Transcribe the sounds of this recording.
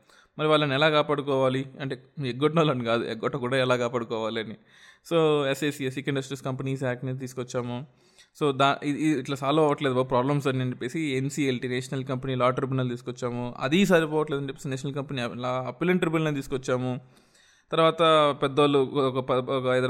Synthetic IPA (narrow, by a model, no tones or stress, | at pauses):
mɐɾiʋaːɭːɐnɛlaːkaːpaːɽukɔːʋaːliɐɳʈeːeɡːɔʈnɐːlɐɳikaːd̪ṵʔɛ̰ɡɔʈːɐkuːɽaːɛlaːkaːpaːɽukɔːʋaːlɐni | soːeseːsiesikɐiɳɖɐsʈɾeskɐmpɐniːs̬aːk̚ʈnet̪̬iːsu̥kɔt͡ʃːaːmu | soːd̪aːiːʈlaːsaːlɐɐʋɐʈleːd̪ubɐpɾaːblɐmsɐniɐɲd͡ʒepːe̞ːsiensiːelʈineːʂɐnɐlkɐmpɐniːlaːʈɐɾp̬inɐlt̪iːsu̥kɔt͡ʃːaːmuɐ̰d̪is̬aːɾipɔːʋɐʈled̪ɐɳd͡ʒepːesneːʃɐnɐlkɐmpɐnilaɐpileɳʈɐɾbilneːt̪iːsukɔt͡ʃːaːmu | t̪ɐɾʋaːt̪ɐpɛd̪ːolukɐpkɐd̪ɐ